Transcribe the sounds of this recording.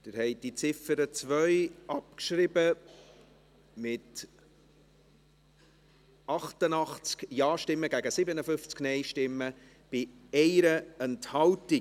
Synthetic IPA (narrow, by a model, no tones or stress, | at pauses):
d̥ɪɾhɛɪd̥it͡sɪfəɾət͡svœʏɑp̚kʃɾɪbə | mɪt | ʔɑχtənɑχt͡skjɑːʃtɪmːəɡæɡəsɪbənəfʏft͡sknɛɪʃtɪmːə | b̥ɪ | ɛɪɾəɛnthɑlti